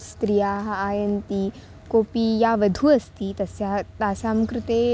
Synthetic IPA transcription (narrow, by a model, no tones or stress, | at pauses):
st̪ɾijaːɦaːjənt̪i | koːpiːjaʋəd̪ʱuɐst̪iːt̪ɐsjat̪aːsamkɾɪt̪e